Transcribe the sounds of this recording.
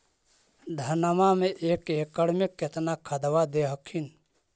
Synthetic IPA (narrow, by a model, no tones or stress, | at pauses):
d̪ʱənəmamẽʔeːkeːkəɽmɪkːet̪nakʰəd̪wad̪eɦəkʰin